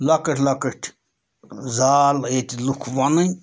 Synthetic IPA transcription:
lɐkəʈʰʲlakəʈʲʰ | zaːlet̪ʲlukʰʋanɨ

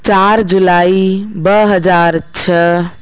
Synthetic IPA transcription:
t͡ʃaɾd͡ʒulaibəɦəd͡ʒaɾt͡ʃʰə

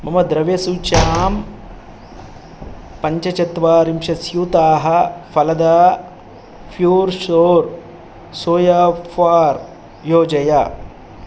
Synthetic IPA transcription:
mɐmɐd̪ɾɐʋjɐsuːt͡ʃaːm | pɐɲt͡ʃɐt͡ʃɐt̪ʋaːɾimʃɐsjut̪aːɦɐ̆fʰɐlɐd̪ɐ | pʰjuːɾʃoːɾ | soːjɐfʰaːɾ | joːd͡ʒɐjɐ

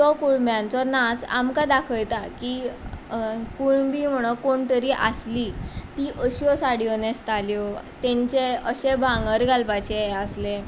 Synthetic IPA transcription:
t̪ɔkuɽmjãnt͡sɔnat͡sa̰mkad̪akʰəjt̪aki | kuɳbiːm̤əɽ̃okoɳt̪əɾiːʔa̰slit̪iʔəɕɔsaɽiɔnẽst̪aljɔt̪ɛ̃ɲt͡ɕeəɕebʱãŋɡəɾɡʱalpat͡ɕeɛəsle

